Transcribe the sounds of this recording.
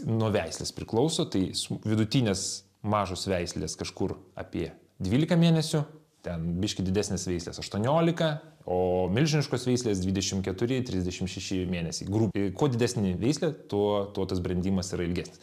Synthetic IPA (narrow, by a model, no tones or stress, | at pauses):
nuɔʋʲɛɪsʲlʲeːspʲɾʲɪklˠɔʊsoːt̪ɐɪsʋʲɪd̪ʊt̪ʲiːnʲeːs | mɑːʒoːsʋʲɛɪsʲlʲeːskɐʃkʊɾɐ̰ːpʲiɛ | d̪ʲʋʲiːlʲɪkɐmʲeːnʲɛsʲʊ | t̪ʲɛnbʲɪʃʲkʲɪd̪ʲɪd̪ʲæːsʲnʲeːsʋʲɛɪsʲlʲḛːsɐʃt̪uɔnʲoːlʲɪkɐoːmʲɪlʲʒʲɪnʲɪʃkoːsʋʲɛɪsʲlʲeːsd̪ʲʋʲiːd̪ʲɛʃʲɪmkʲɛt̪ʊɾʲɪt̪ʲɾʲɪzʲd̪ʲɛʃʲɪmʃʲɛʃʲɪmʲeːnʲɛsʲɛɪɡɾuːpkoɔd̪ʲɪdʲæːsʲnʲɪʋʲɛɪsʲlʲɛt̪oɔt̪oɔt̪ɐsbʲɾʲɛnʲd̪ʲiːmɐsiɾɐɪlʲɡʲæːsʲnʲɪs